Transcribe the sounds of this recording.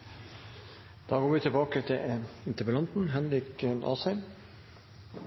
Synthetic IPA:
d̪̥ɑːɡoːɾʋɪːt̪ʰɪlbɑːkət̪ʰɪɪnt̪əbəlɑnt̪n̩ɦɛnɾɪkənʔɑ̰ːsɛɪm

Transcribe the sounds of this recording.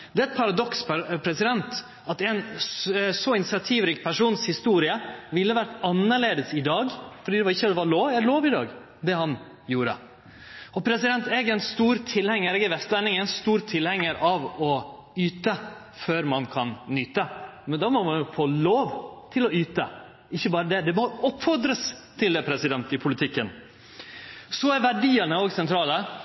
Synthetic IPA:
d̪ɛæɪɪt̪̚pʰɑɾɑd̪ɔkspʰɾɛsɪd̪ɛnt̪ | ɑt̪ɛɪnssɔɪnɪsɑt̪ʰiːʋɾɪːkpʰæʂuːnshɪst̪uːɾɪəʋɪlːəʋæɾʈɑnːəɭeːd̪əsɪd̪ɑːɡfɔɾɖiːd̪ɛʋɑɾɪçːəd̪ɛʋɑɾɭoːʋɛloːʋɪd̪ɑ̰ːɡ | d̪ɛhɑn | juːɾə̰ | ɔpʰɾɛsɪd̪ɛnt̪ɛɡɛɪnst̪uːɾt̪ʰɪlhɛŋːəɾɛːɡɛʋɛst̪lænɪŋɛɪnst̪uːɾt̪ʰɪlhɛŋːəɾʔɑʋɔ | yːt̪ə | føːɾmɑnkʰɑnnyːt̪əmɛnd̪ɑːmɔmɑnjʊfoːloːʋt̪ʰɪlɔyːt̪ə | ɪçːəbɑːɾəd̪ɛd̪ɛmɔɔpːfɔɾd̪ɾəst̪ʰɪld̪ɛpʰɾɛsɪd̪ɛnt̪ɪpʰʊlɪt̪ʰɪkːən | sɔæɾʋæɖiːənəoːɡsɛnt̪ʰɾɑːlə

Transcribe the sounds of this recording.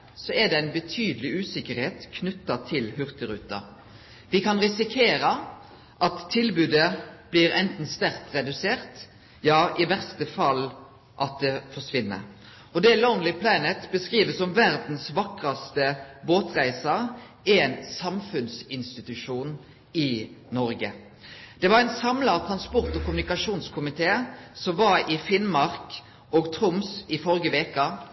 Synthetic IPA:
sɔɛd̪ɛæɪnbət̪ʰyːd̪əlɪʉːsɪkːəɾheːt̪kʰnʉt̪ːɑt̪ʰɪlhʉʁt̪əɾʉ̰ːt̪ɑ̰ | ʋɪkɑnʁɪsɪkʰeːɾɑ | ʔɑt̪ʰːɪlbʉːd̪əb̥liɾɛnt̪n̩st̪æʁkt̪ʁɛd̪ʉseːʁt̪ | jɑːʔɪʋæʁst̪əfɑlː | ʔɑt̪̚d̪ɛfɔʂʋɪnːə̰ɾ | ɔd̪ɛlonlɪpʰlɑːnət̪bəskʁiːʋəsɔmʋæʁd̪n̩sʋɑkʁɑst̪əboːt̪ʁæɪsɑ | ænsɑmfʉnsɪnst̪ɪt̪ʉʂuːn | ɪnɔɾɡə | d̪̥ɛʋɑɾæɪnsɑmlɑt̪ʰʁɑnspɔʁt̪ɔkʰʊmʉnɪkɑʂuːnskʰʊmɪt̪ʰeːsɔmʋɑɾɪfɪnmɑʁk | ɔɡt̪ʰʁʊmsɪfɔɾɡəʋeːkɑ

